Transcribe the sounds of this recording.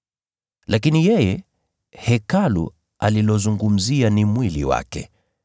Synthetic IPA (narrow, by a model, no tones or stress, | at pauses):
lak̬inijɛjɛ | hɛkalṵ | alilɔzuŋɡum̩zianimwilḭwa̰kɛ̰